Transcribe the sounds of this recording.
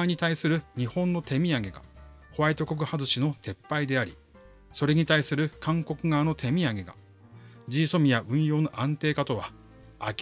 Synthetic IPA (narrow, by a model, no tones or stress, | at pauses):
ɲ̟it̪aisɨɾɯ̟ɲ̟ihõ̞nːot̪e̞mʲiaɡe̞ɡa̰ho̞βait̪o̞ko̞k̬ɯ̟hazɨɕino̞t̪ʰe̞pːaid̪e̞aɾʲḭ | so̞ɾe̞ɲ̟it̪aisɨɾɯ̟kãŋko̞kɯ̟ɡaːno̞t̪ʰe̞mʲiaɡe̞ɡa̰ | d͡ʑiːso̞mʲijaʔɯ̟̃ɰ̃jo̞ːno̞ʔãnt̪e̞ːkat̪o̞βa̰ː | kʲ